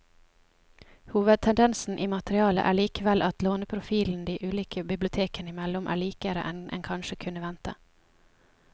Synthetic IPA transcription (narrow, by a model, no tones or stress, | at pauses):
huːʋəd̪̚t̪ʰɛnd̪ɛnsn̩ʔiːmɑt̪əɾɪɑːlə̰ʔæːɭiːkəʋɛlʔɑt̪loːnəpʰɾʊfiːln̩d̪iːʔʉːliːkʰəbɪblʊt̪ʰeːkənɪmɛlʊmʔæ̰ːɭiːkəɾə̰ʔɛnʔɛ̰nkʰɑnʃəkʰʉnəʋɛnt̪ə̰